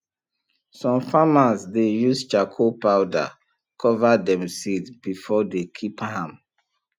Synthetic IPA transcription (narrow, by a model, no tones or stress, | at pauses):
sɔ̃mfamazdejust͡ʃakʰopawda̰ | kʰɔvadɛ̃msidbifɔdekʰiphãm